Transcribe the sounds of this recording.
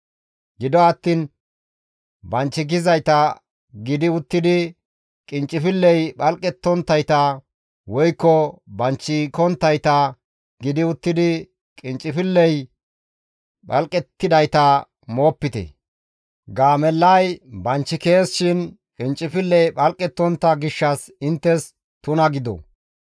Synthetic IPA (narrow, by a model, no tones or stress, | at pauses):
ɡɪd̪ɔɐt̪ːiːn | bɐnt͡ʃːɪɡ̬ɪzɐjt̪ɐ | ɡɪd̪ɪʊt̪ːɪd̪ɪ | kʼɪnt͡ʃʼːɪfɪlːɛjɓɐlkʼɛt̪ːɔnt̪ːɐjt̪ɐ | wɔjkːɔbɐnt͡ʃːɪkɔnt̪ːɐjt̪ɐ | ɡɪd̪ɪʊt̪ːɪd̪ɪ | kʼɪnt͡ʃʼːɪfɪlːɛj | ɓɐ̰lkʼɛt̪ːɪd̪ɐjt̪ɐ | mo̞ːpːɪt̪ɛ̰ | ɡaːmɛlːɐjbɐnt͡ʃːɪke̞ːsʃɪn | kʼɪnt͡ʃʼːɪfɪlːɛjɓɐlkʼɛt̪ːɔnt̪ːɐɡɪʃːɐs | ɪnt̪ːɛs | t̪ʊnɐɡɪd̪ɔ̰